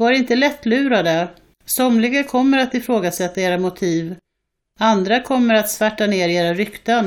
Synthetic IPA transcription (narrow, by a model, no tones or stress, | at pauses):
vaɾɪnt̪əlɛt̪ːlʉ̟ːɾad̪ə | sɔmlɪɡakʰɔmːəɾat̪ɪfɾoːɡasɛt̪ːaeːɾamʊt̪ʰiːv | and̪ɾakʰɔmːəɾat̪svæʈːaneːɾeːɾaɾʏkt̪an